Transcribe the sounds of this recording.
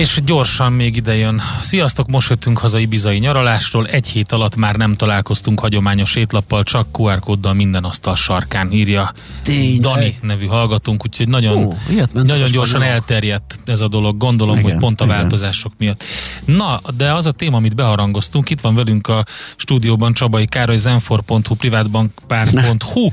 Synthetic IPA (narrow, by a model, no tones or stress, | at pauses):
eːʃɟo̞rʃɒmmeːɡid̪ɛjønsijɒst̪o̞kmo̞ʃhøt̪ːyŋkhɒzɒjibizɒjiɲɒɾolaːʃroːlɛɟheːt̪ɒlɒt̪ːmaːrnɛmt̪ɒlaːlko̞st̪uŋkhɒɟo̞maːɲo̞ʃeːt̪lɒpːɒlt͡ʃɒkːuɛrkoːd̪ːɒlmind̪ɛnɒst̪ɒlʃɒrkaːniːrjɒ | d̪ɒninɛvyɦɒlɡɒt̪uŋkuːcʰho̞ɟnɒɟo̞nnɒɟo̞ɲɲɟo̞rʃɒnɛlt̪ɛrjɛt̪ːɛzɒd̪o̞lo̞ɡːo̞nd̪o̞lo̞mɦo̞cpo̞n̪t̪ɒvaːlt̪o̞zaːʃo̞kmijɒt̪ːnɒd̪ɛɒzɒt̪eːmɒːmid̪bɛɦɒɾɒŋɡo̞st̪uŋkit̪ʋɒɱvɛlyŋkɒʃt̪uːd̪ijoːbɒnt͡ʃɒbɒikaːɾojzɛɱforpo̞nt̪huprivaːd̪bɒŋkpaːrpo̞nt̪hu